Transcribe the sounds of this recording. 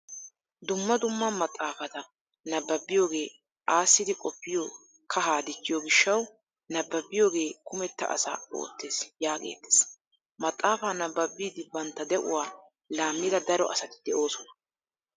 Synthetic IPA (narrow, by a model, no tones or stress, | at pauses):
d̪ʊmːɐd̪ʊmːaːmɐt̪ʼːaːfɐt̪ɐ | nɐbːɐbːɪjo̞ːɡe̞ː | ʔaːsːɪd̪ɪkʼɔpːɪjoː | kʰɐɦaːd̪ɪt͡ʃːɪjɔɡɪʃːɐw | nɐbːɐbːɪjo̞ːɡe̞ːkʊmɛt̪ːɐ̰ʔɐ̰sa̰ːo̰ːt̪ːe̞ːsjaːkʼḛːt̪ːe̥s | mɐt̪ʼːaːfaːnɐbːɐbːiːd̪ɪbɐnt̪ːɐd̪ɛʔʊ̰waː | laːmːɪd̪ɐd̪ɐɾɔʔɐ̰sɐt̪ɪ̥d̪̥ɛʔo̞ːsɔnɐ̥